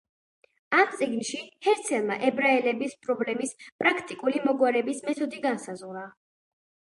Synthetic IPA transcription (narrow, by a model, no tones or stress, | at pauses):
amt̪sʼiɡnʃihɛɾt̪sʰɛlˠma̰ʔɛbɾaɛlɛbispʼɾɔblɛmispʼɾakʰt̪ʼikʼulimɔɡwaɾɛbismɛt̪ʰɔd̪iɡansazʁɾa